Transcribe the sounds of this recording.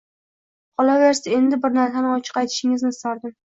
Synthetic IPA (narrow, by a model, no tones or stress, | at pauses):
ɒlˠaveɾsae̞nd̪ɪbɪɾnaɾsanɪɒt͡ʃʰɨ̥qɑjt̪ʰɪ̥ʃɪŋɪznɪsaɾd̪ɪm